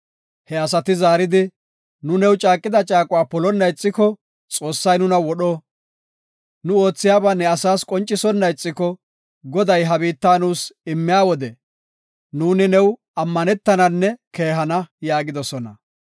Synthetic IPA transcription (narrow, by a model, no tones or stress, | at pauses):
hɛɐsɐt̪ɪzaːɾɪd̪ɪ | nʊnɛwt͡ʃʼaːkʼːɪd̪ɐt͡ʃʼaːkʼʊwaːpɔlɔnːɐjt͡sʼːɪkɔ | t͡sʼo̞ːsːɐjnʊnɐwɔɗoː | nʊo̞ːt͡sːɪjaːbɐnɛɐsaːskʼɔnt͡ʃʼːɪsɔnːɐjt͡sʼːɪkɔ | ɡɔd̪ɐjɦɐbiːt̪ːaːnuːsɪmːɪjaːwɔd̪ɛ | nuːnɪnɛw | ɐmːɐnɛt̪ːɐnɐnːɛke̞ːɦɐnɐjaːɡɪd̪ɔsɔnɐ